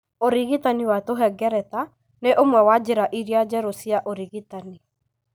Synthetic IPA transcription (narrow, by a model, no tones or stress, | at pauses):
oɾiɣitaniwatoɦɛɡɛɾɛt̪a | neʔomwɛwad͡ʒeɾaʔiɾjad͡ʒɛɾosiaʔoɾiɣitani